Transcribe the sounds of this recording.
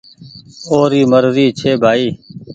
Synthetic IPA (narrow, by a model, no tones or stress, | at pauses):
oːɾiːməɾɾiːt͡ʃʰeːbʱaːiː